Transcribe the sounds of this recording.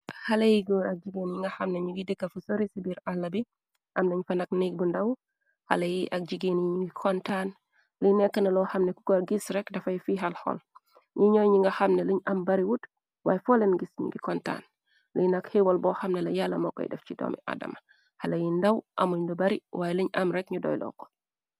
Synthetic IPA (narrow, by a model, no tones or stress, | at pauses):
halejiɡoɾak̚d͡ʒiɡenɲiŋɡahamneɲiwidɛkːafusoɾisibiɾalːabi | ʔamnaɲfanaknik̚bundaw | ha̰lajiʔak̚d͡ʒiɡenɲɡikʰɔntan | linɛkːənɐlɔhamnɛku̥kɔɾɡisɾɛkdafajfiɦalhɔ̰l | ɲiɲɔjɲiŋɡahamnɛliɲɐmbaɾiwut | wa̰ːjɛfɔlɛnɡisɲṵŋɡikɔnta̰ːn | linakhewɔlbɔhamnɛlɐjalːɐmɔkːɔ̰j̰dɛ̰ft͡ʃidɔ̰mḭʔa̰da̰ma | halɐjindawʔa̰muɲdɔbaɾiwajɛliɲamɾɛk̚ɲudɔ̰ːjlɔ̰ːkɔ̥